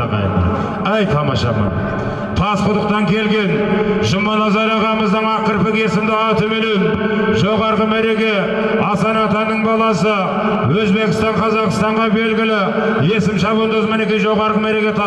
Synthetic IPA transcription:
qɑ̰ | æjt̪ʰɑmɑ̰ʃɑ̰mɑ̰n | t̪ʰɑsqʰʊd̪əq̚t̪ɑŋkʲʰe̞lɡʲe̞nʒʊmɑnɑzɑɾɑʁɑməzd̪əɴɑqəɾpɪke̞sɪmd̪ɪɑt̪ɵmelem | ʒo̞ʁɑɾʁəmæɾe̞kʲe̞ | ɑsɑnɑt̪ɑnːəɴbɑlˠɑsə | wɵzbe̞kʲɪst̪ɑɴqʰɑzɑqəst̪ɑɴʁɑbe̞lɡʲɪlɪ | je̞sɪmʃɑβənd̪əzmɪne̞kʲenʒo̞ʁɑɾʁəmæɾe̞kʲe̞t̪ʰɑ

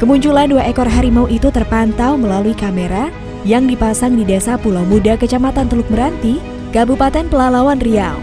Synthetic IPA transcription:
kəmuɲt͡ʃulanduaʔekɔrɦaɾimauʔit̪ut̪ərpant̪awməlaluikameɾa | jaŋdipasaŋdidesapulawmudakət͡ʃamat̪ant̪əluk̚məɾant̪i | kabupat̪ɛnpəlalawanrial

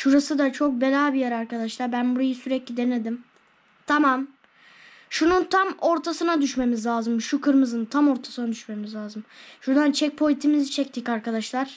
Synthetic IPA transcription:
ʃuɾasɯd̪at͡ʃʰo̞k̚belʲaːbijæɾaɾkad̪aʃlˠaɾbænbuɾajɯsyɾɛclʲid̪e̞ne̞d̪im | t̪ʰamam | ʃununt̪ʰamo̞ɾt̪ʰasɯnad̪yʃme̞mizlʲaːzɯmʃukʰɯɾmɯzɯnt̪ʰamo̞ɾt̪ʰḁsɯnad̪yʃme̞mizlʲaːzɯmʃuɾd̪ant͡ʃʰɛc̚pʰo̞jʲt̪ʰimizit͡ʃʰɛc̚t̪ʰicaɾkad̪aʃlˠaɾ̥

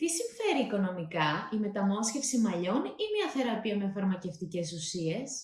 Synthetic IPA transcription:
t̪isiɱfe̞ɾiːko̞no̞mikɐime̞t̪ɐmo̞sce̞fsimɐʎo̞nimɲɐθe̞ɾɐpiɐmefɐɾmɐce̞ft̪ice̞susie̞s

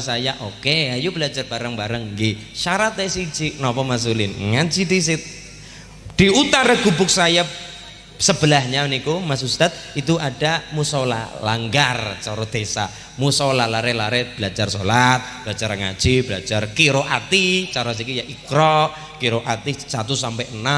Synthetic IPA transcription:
sajaʔokeajubəlad͡ʒarb̥aɾəŋbaɾəŋɡɪʃaɾat̪ɛsi̥d͡ʒiʔnɔpɔmas̬ulɪnŋḁd͡ʒit̪is̬ɪt̪̚ | d̥iut̪aɾaɡ̥ubʊk̚saja | səb̥əlahɲamənikomas̬ust̪at̪̚it̪uadamusala̰la̰ŋɡart͡ʃɔɾɔd̪̥esa̰ | musaɔlalaɾɛlaɾɛb̥əlad͡ʒarsolat̪̚bəlad͡ʒaɾŋa̰̥d͡ʒ̥ib̥əlḁd͡ʒarkiɾoʔat̪it͡ʃaɾɔs̬ikijaʔikɾɔʔ | kiɾoʔat̪isat̪usampɛʔəna

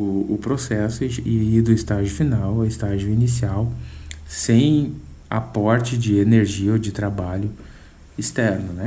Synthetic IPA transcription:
ʊʊpɾosɛsʊɪid̪ʊɪst̪aʒʊfinawɪst̪aʒjʊinisiawsẽj̃a̰pɔɾt͡ʃɪd͡ʒɪeneɾʒiɐod͡ʒɪt̪ɾabaʎʊ | ist̪ɛɾnʊnɛ

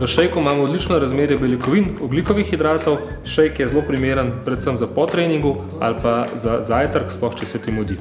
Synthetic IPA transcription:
ʋəʃɛjkumaːmɔːd̪lit͡ʃnɔɾazmeːɾjɛbɛlikɔʋinɔblikɔʋixid̪ɾaːt̪ɔw | ʃɛjkjɛzloːpɾimeːɾənpɾɛt̪səmzapɔt̪ɾeːniŋɡu | a̰lpazazaːjt̪əɾksplɔxt͡ʃɛsɛt̪imɔd̪i

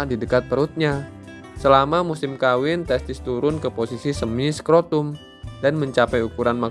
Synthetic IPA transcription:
didəkat̪̚pəɾut̪̚ɲa | səlamamusɪmkawɪnt̪ɛst̪ɪst̪uɾʊnkəposisisəmiskɾot̪um | danməɲt͡ʃapɛjukuɾanma

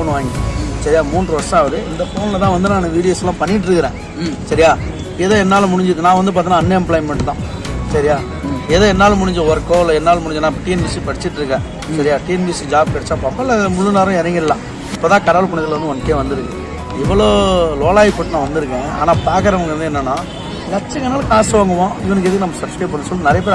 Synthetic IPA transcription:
oːɳɯʋaːŋɡisɐɾɪjaːmuːndrɾɯʋɐɾsaːʋɐðɯɪnd̪ɐpoːnɪlɐt̪ãːʋɐnd̪ɯnaːnʋiːɽɪjosɐlːãːpɐɳːɪʈ̬ːɪɾɯkːɯɾẽː | sɐɾɪjaː | eːðoːɛnːaːlɐmʊɽɪɲd͡ʒɪɯkːɯnãːʋɐnd̪ɯp̬aːɾt̪ɪŋnaːnːɐɛmplɐːɪmɛɳʈt̪ãː | sɐɾɪjaː | eːðoːɛnːaːlɐmʊɽɪɲd͡ʒɐ̃ʋɐɾkːoːlɐɛnːaːlɐmʊɽɪɲd͡ʒnãːpɐʈːijnʋɪsipɐɽɪt͡ʃːɪʈːɪɾɯkːẽː | sɐɾɪjaːʈiɛnbisid͡ʒaːb̚kɐɽɪt͡ʃːaːpaːmɐːlːɐmʊlːɯnaːɾɐ̃ɛɾɐŋɡɪɾɐlãː | ɪpːoːt̪ãːkɐɽɐʋɐlpɐɳɐðɪlɾɐnd̪ɯɔnɐkːeːʋɐnd̪ɯɾɯkːẽ | ɪʋːɐɭoːloːlaːɪpoːʈːnãːʋɐnd̪ɯɾɯkːẽːaːnaːpaːkɐɾɐʋɐɡɐɾɐnd̪ɯɛnːɐnːaː | lɐʈt͡ʃːɐŋɐnaːlɐkaːsɐʋaːŋɡɐmãːʋɐnɐk̬ːɛðɯkːnɐmːɐsɐpsʈeːpːɐɳːɐsɔlːnɪɾɐjɐp̬eːɾ

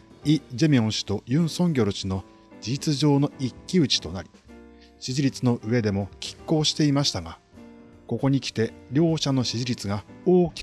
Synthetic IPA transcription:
id͡ʑemʲiõɰ̃ɕi̥t̪o̞jɯ̟̃ɰ̃sõ̞ŋɡʲo̞ɾɯ̟ɕino̞ | d͡ʑiit͡sɨʑo̞ːno̞ikʲːiɯ̟t͡ɕi̥t̪o̞naɾʲi̥ | ɕiʑiɾʲit͡sɨno̞ʔɯ̟e̞d̪e̞mo̞kʲʰi̥kːo̞ːɕi̥t̪e̞imaɕi̥t̪aɡa | ko̞ko̞ɲ̟ikʲi̥t̪e̞ɾʲo̞ːɕano̞ɕiʑiɾʲit͡sɨɡaoːkʲi̥

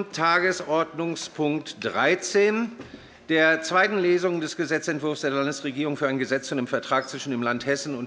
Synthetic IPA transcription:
tʰːaːɡəsɔɐdnʊŋspʰʊŋktd̥ʁaɪt͡seːn | d̥eːɐt͡sv̥aɪtn̩leːzʊŋəndɛsɡ̥əzɛt͡sɛntv̥ʊɐfsd̥eːɐlandəsʁeɡiːʁʊŋfyːɐʔaɪnɡəzɛt͡st͡sʊndeːmfɛɐtʁ̥aːk̚t͡sv̥ɪʃn̩deːmlanthɛsn̩ʊn

